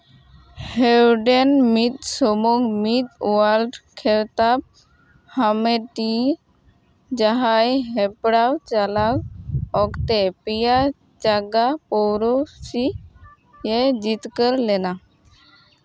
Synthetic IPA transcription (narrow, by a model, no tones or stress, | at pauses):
hewɖenmit̪sɔmɔŋɡmit̪waɾɖkʰeɾt̪ap̚ | hameʈi | d͡ʒaɦajɦɛpɽawt͡ʃalawɔkt̪epija | d͡ʒaɡapɔwɾosi | jed͡ʑit̪kəɾlɛna